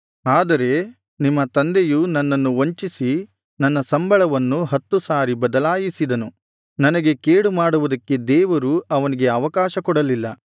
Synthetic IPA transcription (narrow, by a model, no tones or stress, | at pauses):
aːd̪ɐɾe̞ | nimːɐt̪ɐnd̪ejunɐnːɐnːuoɲt͡ʃisi | nɐnːɐsɐmbʱɐɭɐʋɐnːuɦɐt̪ːusaːɾibɐd̪ɐlaːjisid̪ɐnu | nɐnɐɡe̞keːɽumaːɽuʋud̪ɐkːe̞d̪ɛːʋɐɾuɐʋɐniɡe̞ɐʋɐkaːʃɐkɔɽɐlilːɐ